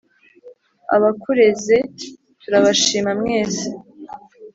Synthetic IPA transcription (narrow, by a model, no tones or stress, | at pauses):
a̰βakʰuɾe̞ze̞ | tuɾaβaʃiːmamŋeːze